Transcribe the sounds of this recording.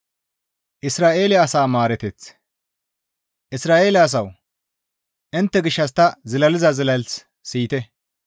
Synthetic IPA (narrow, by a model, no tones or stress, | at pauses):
ʔɪsɾaːʔe̞ːlɛɐsaːmaːɾɛt̪ɛt͡s | ʔɪsɾaːʔeːlɛɐs̬ɐw | ʔɪnt̪ːɛɡɪʃːɐs̬t̪ːɐzɪlɐlɪzɐzɪlɐls | siːt̪ɛ